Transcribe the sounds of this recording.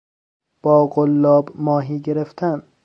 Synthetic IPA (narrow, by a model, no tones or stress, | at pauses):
b̥ɒːɡolːɒːbmɒːɦiːɟeɾeft̪ʰæn